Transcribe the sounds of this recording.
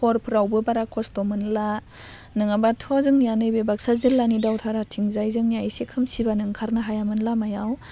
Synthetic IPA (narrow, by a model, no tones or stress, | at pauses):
pʰɔɾpʰɯɾawbɯbaɾakʰɔstɔmɯnla | nɯŋabatʰazɯŋnijanɯjbebak̚sazɯɾlanidawtʰaɾatʰiŋzajzɯŋnijajsekʰɯmsibanɯŋkʰaɾnaɦajamɯnlamajaw